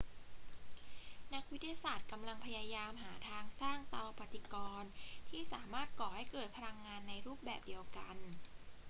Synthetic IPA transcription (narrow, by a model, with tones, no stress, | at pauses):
na˦˥k̚wt̪ːʰi˧jaː˧saː˨˩t̪̚ka˧mla˧ŋpʰa˧jaː˧jaː˧mɦaː˩˦t̪ʰaː˧ŋsaː˥˩ŋt̪a˧wpa˨˩t̪i˨˧˩kɔː˧nt̪ʰiː˥˩saː˩˦maː˥˩t̪̚kɔː˨˩ha˥˩jkɤː˨˩t̪̚pʰa˧ɾa˧ŋːaː˧nːa˧jɾuː˥˩p̚bɛ̰ː˨˩p̚di˧əwka˧n